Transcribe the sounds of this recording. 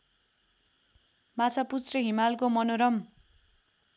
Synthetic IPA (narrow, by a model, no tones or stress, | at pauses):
mat͡sʰʌput͡srʌɦimalkomʌnoɾʌm